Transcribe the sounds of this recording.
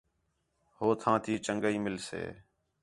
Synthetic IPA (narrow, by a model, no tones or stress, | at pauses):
hoːt̪ʰãːt̪ʰiːt͡ʃəŋɡəiːmɪlsḛː